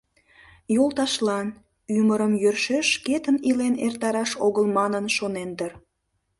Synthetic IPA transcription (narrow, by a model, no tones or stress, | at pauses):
jolˠt̪ɑʃlɑn | yməɾəmjørʃeʃket̪ənilenert̪ɑɾɑʃoɣəlmɑnənʃonend̪ər